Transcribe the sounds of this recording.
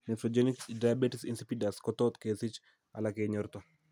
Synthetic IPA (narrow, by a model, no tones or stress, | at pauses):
nɛt̪ɾod͡ʒeniksdajabeʈisḭnsipidaskɔt̪ɔt̪kesit͡ʃ | a̰lakeɲɔɾt̪ɔ